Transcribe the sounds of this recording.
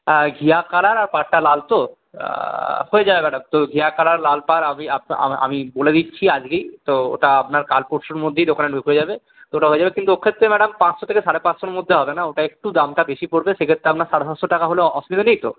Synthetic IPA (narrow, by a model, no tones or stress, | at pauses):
ɡʱiakalaɾaɾpaɾʈalalt̪o̰ | hoed͡ʑabebɛɽamt̪oɡʱiakalaɾlalpaɾamiapa̰a̰miboled̪itːɕʰiad͡ʑɡejt̪oo̰ʈaapnaɾkalpoɾʃoɾmod̪ʱːeid̪okameɳʈoɦoed͡ʑabe | t̪ooʈaɦoed͡ʑabekint̪uokʰːet̪ːɾemɛɽampãt͡ɕʃot̪ʰekeʃaɽepãt͡ɕʃoɾmod̪ʱːeɦɔbenaoʈaek̚ʈud̪amʈabeʃipoɾbeʃekʰet̪ːɾeapnaɾʃaɽesat͡ɕʃoʈakaɦoleɔsmit̪enejt̪o